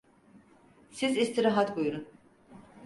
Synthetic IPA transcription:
sizist̪ʰiɾaɦat̪ɡojuɾun

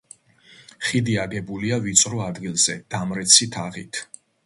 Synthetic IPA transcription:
χid̪iaɡɛbuliavit̪sʼɾɔad̪ɡilˠz̥ɛd̪̥amɾɛt̪sʰit̪ʰaʁit̪ʰ

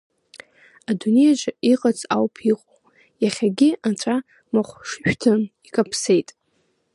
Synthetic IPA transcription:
adune̞jad͡ʒʷaiqʼat͡sʼawpʰiqʼo | jaχʲaɡʲɪatʷʰʼa | maχʷʂʃᶣtʰɨnikʼapʰse̞jtʼ

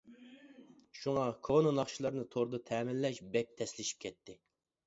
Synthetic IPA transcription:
ʃuŋɑkʰononɑχʃilˠɑɾnɨt̪ʰoɾd̪ɨt̪ʰɛːmɪlːɛʃbɛk̚ʲt̪ʰɛslɪʃi̥p̚kʲʰɛt̪ʰːɪ

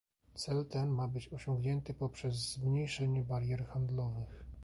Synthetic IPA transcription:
t̪sɛlt̪ɛnmabɘt͡ɕɔɕɔ̃ŋɡɲɛnt̪ɘpɔpʂɛzːmɲejʂɛɲɛbaɾjɛɾxand̪lɔvɘx

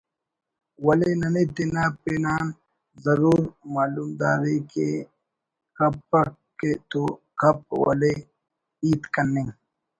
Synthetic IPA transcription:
wɐlenɐned̪enaːpeːnaːn | zɐɾuːɾmaːlumd̪aːɾike | kɐpːɐ | ket̪okɐp̚wɐ̰le | iːt̪kɐnːiŋ

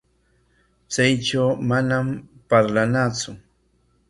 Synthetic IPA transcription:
t͡sajʈ͡ʂawmanampaɾlanat͡sʊ

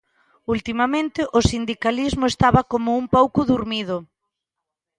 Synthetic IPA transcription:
ult̪imamẽnt̪ɪʔʊsind̪ikalizmʊest̪aβakomʊumpowkʊðuɾmið̞ʊ

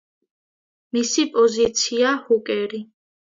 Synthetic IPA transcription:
misipʼɔzit̪sʰiahukʼɛɾi

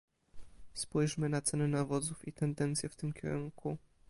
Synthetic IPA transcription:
spujʂmɘnat̪sɛnɘnavɔd̪zufit̪ɛnd̪ɛnt̪sʲjɛft̪ɘmkʲɛ̰ɾuŋku

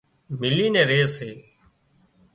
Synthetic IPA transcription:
mɪliːnẽːɾeːseː

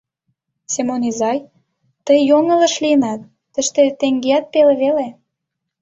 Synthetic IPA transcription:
semonizɑj | t̪əjjːoŋə̆lə̆ʃliənɑt̪̚ːə̆ʃt̪et̪eŋɡeɑt̪̚peleβele

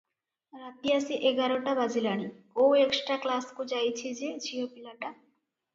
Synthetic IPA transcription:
ɾat̪iasiʔeɡaɾoʈabad͡ʑilaɽ̃i | oweksʈɾaklaskud͡ʑajt͡ɕʰid͡ʑed͡ʑʰiopilaʈa

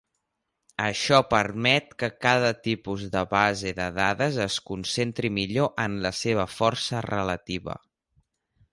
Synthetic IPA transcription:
əʃɔpəɾmɛt̪̚kəkaðət̪ipuzðəβaziðəðaðəzəskunsent̪ɾimiʎoʔənləseβ̞əfɔrsərələt̪iβə̰

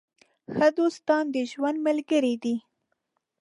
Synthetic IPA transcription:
xəd̪ost̪ɑnd̪əʒwand̪məlɡəɾid̪i

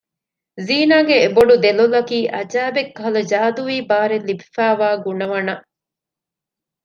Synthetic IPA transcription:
ziːnaːɡeːboɖud̪elulɐkiːʔɐd͡ʒaːbekːɐɦɐlɐd͡ʒaːd̪uʋiːbaːɾelːibifæːʋaːɡuɳɐʋɐnɐ

